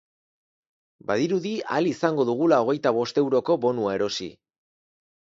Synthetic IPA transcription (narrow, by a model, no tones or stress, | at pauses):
baðiɾuðialisaŋɡo̞ðuɣ̞ulao̞ɣe̞jt̪aβ̞o̞st̪e̞wɾo̞ko̞βo̞nuaeɾo̞sḭ